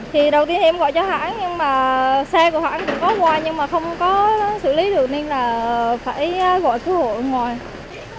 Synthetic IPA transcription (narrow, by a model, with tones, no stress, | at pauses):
t̪ʰi˨˩ɗə˨˩wt̪i˧ənt̪ʰi˨˧mɣɔ̰˧˨jt͡ɕɔ˧ha̰ː˧˥nɲɨ˧ŋmaː˨˩sɛ˧ku˧˩əha̰ː˧˥˦nkʊ̰˧˥ŋ͡mkɔ˨˦ŋwaː˧˩jɲɨ˧ŋmaː˨˩xə˧wŋ͡mkɔ˨˦sɨ̰˧˨li˨˦ɗɨ˨˩ək̚ɲe˧nlaː˨˩faː˧˩jɣɔ̰˧˨jt̪u˧˩˦ho̰˧˨jŋwaː˨˩j